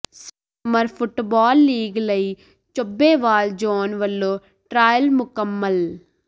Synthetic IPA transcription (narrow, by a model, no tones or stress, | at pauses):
sɐ | mɐɾpʰuʈːbaːlːiːɡlɐj | t͡ʃɔbːeːʋaːld͡ʒoːnʋɐlːo | ʈɾaːjɐlmukɐmːɐl